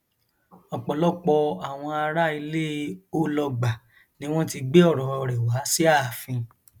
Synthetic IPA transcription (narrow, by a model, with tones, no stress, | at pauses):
ɔ˨k͡pɔ˨lɔ˦k͡pɔ˧a˨w̃ɔ̃˧a˧ɾa˦i˧le˦o˦lɔ˧ɡ͡ba˨ | nĩ˨˦w̃ɔ̃˦ti˧ɡ͡be˦ɔ˦˨ɾɔ˨ɔ˧˨ɾɛ˨wa˨˦si˦a˦˨fĩ˧